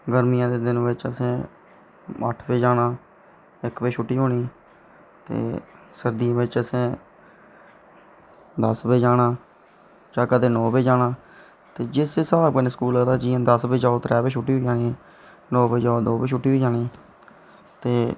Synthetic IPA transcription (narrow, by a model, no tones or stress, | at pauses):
ɡəɾmijãːd̪eːd̪ɪnʋɪt͡ʃəsẽː | ə̰ʈʰbeːd͡ʒaːɽaː | ɪkbeːʃʰʊʈːiːɦoːɽ̃iː | t̪ḛː | səɾd̪ijãːbɪt͡ʃəsẽː | d̪əsbeːd͡ʒaːɽaː | d͡ʒãːkəd̪eːnɔːbeːd͡ʒaːɽãː | t̪eːd͡ʒɪseːsaaːkənskuːlat̪aːd͡ʒiːãːd̪əsbeːd͡ʒaːot̪ɾɛːbeːʃʰʊʈːiːɦoid͡ʒaːɽiː | nɔːbeːd͡ʒaːod̪oːbeːʃʰʊʈːiːɦoiːd͡ʒaːɽiː | t̪eː